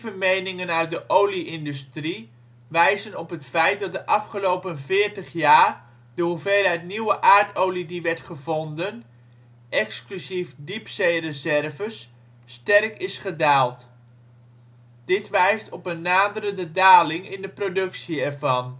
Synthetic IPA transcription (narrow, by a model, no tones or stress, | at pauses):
vəmejnɪŋənœɥt̚dəʔowliʔɪndystri | ʋɛjzənɔpɦətfɛjt̚dɑt̚dəʔɑfχəlowpənvɪːɹtəχjaːr | d̥əɦuvejlˠɦɛjtniwəʔaːɹtowlidiʋɛɹtχəvɔndən | ʔɛksklyzifdipsejrəzɛrvəsː | tɛrkɪsχədaːlˠt | d̥ɪtʋɛjstɔpənːaːdəɾəndədaːlɪŋɪndəprodɵksiɛɹvɑn